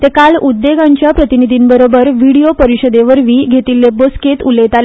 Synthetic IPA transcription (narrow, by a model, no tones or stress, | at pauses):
t̪ekalud̪ːeɡãɲt͡ɕjapɾət̪inid̪ʱiːnbəɾobəɾʋiɽiopəɾiɕəd̪eʋəɾʋiːɡʱet̪ilːebosket̪ulet̪al